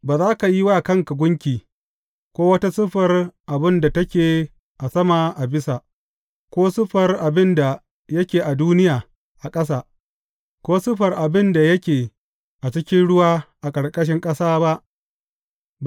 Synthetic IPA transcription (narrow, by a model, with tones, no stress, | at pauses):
baː˨zaː˦ka˨ji˦waː˦˨kɐ˦˨ŋka˨ɡʷʊ˦ŋkʲiː˨ | kʷoː˦wɐ˦ta˦sʊ˦ɸɐ˨rʔa˨bɪ˦nda˨tɐ˦kʲeː˨ | ʔa˨sɐ˦ma˨ʔa˨bɪ˦sa˨ | kʷoː˦sʊ˦ɸɐ˨rʔa˨bɪ˦nda˨ | jɐ˦kʲeː˨ʔa˨duː˦nɪ˦jaː˨ | ʔa˨kʼɐ˦s̬aː˦˨ | kʷoː˦sʊ˦ɸɐ˨rʔa˨bɪ˦nda˨jɐ˦kʲeː˨ | ʔa˨t͡ʃɪ˦kʲɪ˦nɽʊ˦waː˦ʔa˨kʼɐ˨ɽkʼɐ˦ʃ̬ɪ˦ŋkʼɐ˦saː˦ba˦ʔ